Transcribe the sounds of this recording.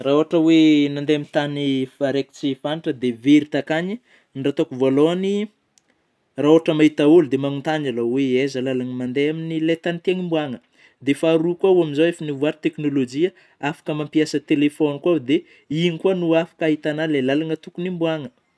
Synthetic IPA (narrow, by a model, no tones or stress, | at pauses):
raoɦaʈ͡ʂəwenand̪eamint̪anifaɾeki̥t͡sifaniʈ͡ʂəd̪eveɾit̪akaɲi | nɖ͡ʐat̪okuvoaloani | raoaʈ͡ʂəmaɦit̪aulud̪emanunt̪aɲaloweezalalaŋəmand̪eaminilet̪anit̪aŋimbuaŋə | d̪efaɾukwauaminzawefanivuaɾit̪eknolod͡ʒiə | afḁkəmampiasət̪elefonikwad̪e | inikuanuafḁkaɦit̪analelalaŋət̪ukunimbuaŋə